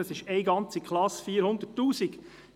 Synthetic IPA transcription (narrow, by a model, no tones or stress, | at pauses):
əsɪʃɛɪɡɑnt͡sikχlɑsfiːəɾhʊnd̪ətːuːsiɡ